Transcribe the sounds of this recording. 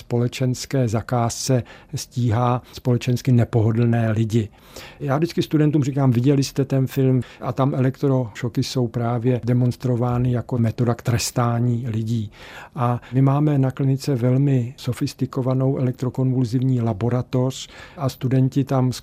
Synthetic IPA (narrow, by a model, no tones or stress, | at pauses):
spo̞lɛt͡ʃɛnskɛːzakaːst͡sɛsciːɦaːspo̞lɛt͡ʃɛnskɪnɛpo̞ɦo̞dl̩nɛːlɪɟɪ | jaːvdɪt͡skɪst̪udɛnt̪uːmrikaːmvɪɟɛlɪst̪ɛt̪ɛnfɪlmʔat̪amʔɛlɛkt̪ɾoʃokɪso̞wpɾaːvjɛdɛmo̞nst̪ɾo̞vaːnɪjakomɛt̪o̞dakt̪ɾɛst̪aːɲiːlɪɟiːʔamɪmaːmɛnaklɪnɪt͡sɛvɛlmɪso̞fɪst̪ɪko̞vano̞wʔɛlɛkt̪ɾoko̞nvulzɪvɲiːlabo̞ɾat̪o̞r̝̥ʔast̪udɛncɪt̪ams